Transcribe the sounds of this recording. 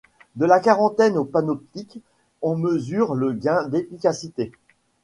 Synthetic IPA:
d̪əlakaʁɑ̃t̪ɛnopanɔp̚t̪ik | ɑ̃məzyʁləɡʲɛ̃d̪efikʲasit̪e

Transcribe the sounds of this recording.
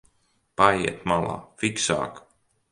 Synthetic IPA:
pajiɛt̪malˠɑ̰ːfiksa̰ːk

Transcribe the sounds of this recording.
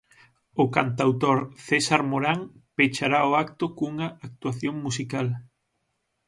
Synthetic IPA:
ʊkant̪̬awt̪oɾθesaɾmoɾaŋpet͡ʃaɾaoakt̪ʊkuŋɐak̚t̪uaθjoŋmusikal

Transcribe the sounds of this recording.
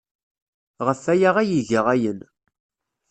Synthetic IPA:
ʁəfæjaʁæjiʝəʁæjən

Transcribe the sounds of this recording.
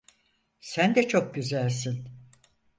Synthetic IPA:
sænd̪ɛt͡ʃʰo̞k̚ɟyzælʲsin

